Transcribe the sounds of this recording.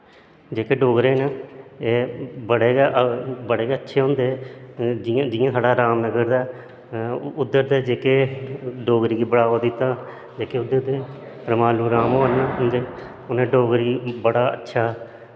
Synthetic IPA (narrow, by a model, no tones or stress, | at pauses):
d͡ʒeːkeːɖoːɡɾeːnaːeːbəɽeːɡʔbəɽeːɡeːətːʃʰeːɦʊ̃nd̪eːd͡ʒɪ̃ːd͡ʒɪjãːsʰaːɖaːɾaːmnəɡəɾd̪aː | ʊd̪ːəɾd̪eːd͡ʒeːkeːɖoːɡɾiːɡiːbəɽaːʋoːd̪ɪt̪ːaː | d͡ʒeːkeːʊd̪əɾd̪eː | ɾəmaːluːɾaːmoːnaːɦʊnd̪eː | ʊnẽːɖoːɡɾiːbəɽaːə̰tːʃʰaː